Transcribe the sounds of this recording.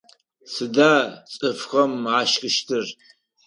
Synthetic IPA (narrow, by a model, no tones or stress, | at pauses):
sɨdat͡sʼɨfχɐmːʕaʃkʼɨʃtʰɨr